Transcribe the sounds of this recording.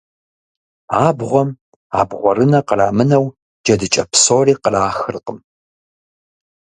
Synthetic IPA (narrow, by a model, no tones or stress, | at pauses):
aːbʁʷɔm | a̰ːbʁʷɔɾɨnɐqəraːmɨnɐw | d͡ʒɐdɨt͡ʃʼɐpsoːriːqəraːxɨrqəm